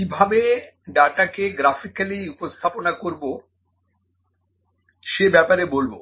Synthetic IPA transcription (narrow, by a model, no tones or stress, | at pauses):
kibʱabe | ɖaʈakeɡɾafikaliupost̪ʰaponakoɾbo | ʃebɛpaɾebolbo